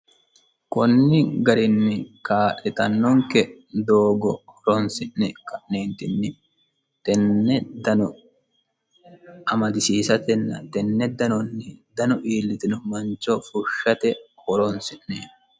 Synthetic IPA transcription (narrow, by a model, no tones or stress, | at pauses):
kʊnːɪɡɐɾɪnːɪkaːʔɛt̪ɐnːɔŋkɛd̪oːɡɔhɔɾɔnsɪʔːɛkɐʔneːnt̪ɪnːɪ | t̪ɛnːɛd̪ɐnɔ | ɐmɐd̪ɪsiːsɐt̪ɛnːɐ̰t̪ɛnːɛd̪ɐnɔnːɪd̪ɐnɔʔiːlːɪt̪ɪnʊmɐnt͡ʃːɔfʊʃːɐt̪ɛhɔɾɔnsɪnːe